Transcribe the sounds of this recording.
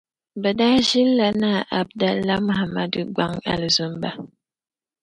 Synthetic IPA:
bə˨da˦ʒi˦lːa˦na˦˨ʔa˨b̚da˦la˦m˦ha˨ma˦di˦ɡʷa˦ŋa̰˨lə˨zu˦m˦ba˦

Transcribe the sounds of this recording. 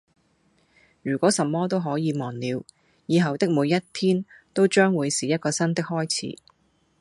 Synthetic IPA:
jyː˨˩kʷɔː˨˥sɐ˨mːɔː˥t̪̬o˥wɦɔː˨˥jiː˨˧mɔː˨˩nliː˨˧w | jiː˨˧ɦɐ˨wt̪ɪ˥k̚muː˨˧jːɐ˥tt̪ʰiː˥nt̪o˥wt͡ʃœː˥ŋwuː˨˧jsiː˨jɐ˥t̚kɔː˧sɐ˥nt̪ɪ˥k̚hɔː˥jt͡sʰḭː˨˥

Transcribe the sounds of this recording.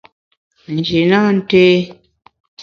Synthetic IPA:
n̩˨d͡ʒi˨na˦n̩˦teː˦

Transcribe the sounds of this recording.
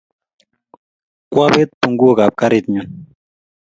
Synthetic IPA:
kwa˦be˦t̪̚pu˨ŋɡu˦o˦ka˨p̚ka˦ɾit̪̚ɲu˨n

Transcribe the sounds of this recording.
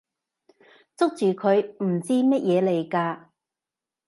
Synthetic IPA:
t͡sʊ˥k̚t͡ʃyː˨kʰɵ˨˧ɥm̩˨˩t͡siː˥mɐ˥t̚jɛː˨˧le˨˩jkaː˧

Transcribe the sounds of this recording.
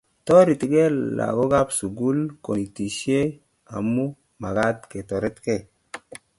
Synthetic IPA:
to˦ɾi˨ti˨ɡe˦la̰˨ɡo˦ɡa˦psu˨ɡu˦lko˨ni˨ti˨ʃe˦ | a̰˨mːu˦ | ma˨ɡa˦t̪ke˨to˨ɾe˦t̪ke˦˨

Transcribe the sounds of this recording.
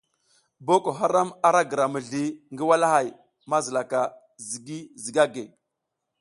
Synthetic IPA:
bo˦ko˨ɦa˦ɾa˦ma˦ɾa˦ɡə˨ɾa˨mə˨ɮi˨ŋɡi˦wa˦la˦ha˨j | ma˦zə˨la˨ka˨ | zi˨ɡi˦zi˨ɡa˦ɡe˨

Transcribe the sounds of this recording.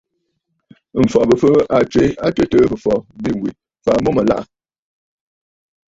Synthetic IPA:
m̩˨fɔ˨bə˨fə˦a˨t͡ʃwe˨˦a˦te˦tə˦bə˨fɔ˨bi˦˨wi˨ | fa˨˦mɔ˦mə˨la̰˦ʔa˨

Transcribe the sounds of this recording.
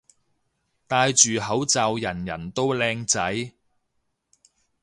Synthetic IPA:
t̪aː˧jt͡ʃyː˨ɦɐ˨˥wt͡sɐː˨wjɐ˨˩njɐ˨˩nt̪o˥wlɛː˧ŋt͡sɐ˨˥j

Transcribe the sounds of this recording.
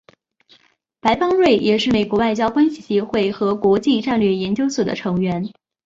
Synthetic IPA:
pa˧˥ɪpɑ˥ŋɻwe˥˩ɪjʔɛ˨˩ʂɻ̩˥˩me˨˩ɪkwɔ˧˥wa˥˩ɪt͡ɕjɑ˥ʊkwa˥nɕi˨˩ɕjɛ˧˥xwe˥˩ɪxɤ˧˥kwɔ˧˥t͡ɕi˥˧ʈ͡ʂa˥˧nlɥɛ˥˩jɛ˧˥nt͡ɕjo˥ʊswɔ˨˩d̪ə̰˦ʈ͡ʂʰɤ˧˥ŋɥɛ˧˥n

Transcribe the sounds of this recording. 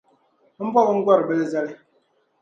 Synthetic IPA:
m̩˦bɔ˦bə˦ŋ̩˦ɡwɔ˦ɾbə˦lɛ˦zɛ˦li˦

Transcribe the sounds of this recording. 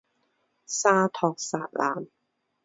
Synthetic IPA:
saː˥t̪ʰɔː˧k̚saː˧t̚la̰ː˨˩m

